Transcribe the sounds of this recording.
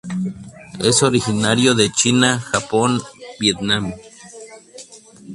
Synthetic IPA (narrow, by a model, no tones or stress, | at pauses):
esoɾixinaɾjoðet͡ʃinaxaponbjet̪nam